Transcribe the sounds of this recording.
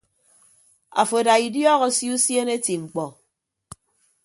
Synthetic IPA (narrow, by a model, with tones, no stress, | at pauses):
a̰˨fo˨da˨i˨djɔː˦ɣɔ˨˦sju˦sje˦ne˦ti˨ŋ͡m̩˨k͡pɔ˨